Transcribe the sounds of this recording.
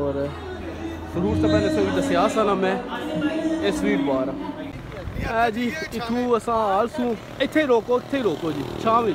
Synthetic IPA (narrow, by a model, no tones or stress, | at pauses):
oːɾ | səɾuːɾt̪amɛ̃ːnesãːɡid̪əsɪjaːsãːnãːmɛ̃ː | esʋĩːpaːɾaː | ɛːd͡ʒiːɪt̪ʰũːəsãːaːlsũː | ɪt̪ʰːeːiːɾoːkoːɪt̪ʰːeːiːɾoːkoːd͡ʒiːt͡ʃʰãːʋĩː